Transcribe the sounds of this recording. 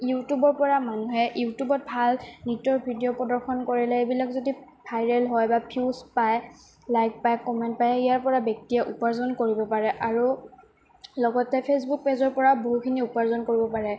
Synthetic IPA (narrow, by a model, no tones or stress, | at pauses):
jutubɔɹpɔɹamanuɦɛjutubɔt̚bʱalnitɔɹbʱidijɔpɹɔdɔɹxʰɔnkoɹilɛebilakzodi | pʰajɹɛlɦɔjbapʰuspaj | lajk̚pajkɔmɛntpajijaɹpɔɹabjɔk̚tijɛʔupaɹzɔnkoɹibɔpaɹɛʔaɹu | lɔɡɔtɛpʰesbuk̚pezɔɹpɔɹaboɦukʰiniupaɹzɔnkoɹibɔpaɹɛ